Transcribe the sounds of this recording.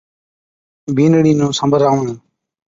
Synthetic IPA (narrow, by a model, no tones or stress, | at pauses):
bʱiːnɽiːnũːsəmbəɾaːuɳẽː